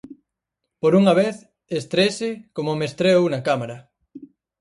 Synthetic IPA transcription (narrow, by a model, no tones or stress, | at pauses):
poɾuŋaβeθ | est̪ɾesekomomest̪ɾeownakamaɾɐ